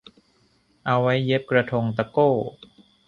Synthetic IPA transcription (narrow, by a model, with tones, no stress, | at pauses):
ʔa˧wːa˦˥jːe˦˥p̚kɾa˧t̪ʰo˧ŋt̪̬a˧koː˥˩